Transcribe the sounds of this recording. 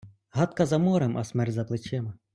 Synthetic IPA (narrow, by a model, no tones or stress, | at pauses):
ɦɑt̪kɐzɐmɔɾemʔɐ̰smɛrtʲzɐplˠɪt͡ʃɛmɐ